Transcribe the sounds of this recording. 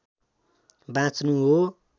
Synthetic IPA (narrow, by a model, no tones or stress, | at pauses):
bãt͡snũɦo